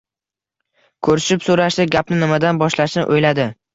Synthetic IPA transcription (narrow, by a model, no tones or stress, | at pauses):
kʰɵɾɪʃɪpsoɾaʃd̪ɪɡʲapnɪnɪmad̪anbɒʃlaʃnɪʔojlad̪ɪ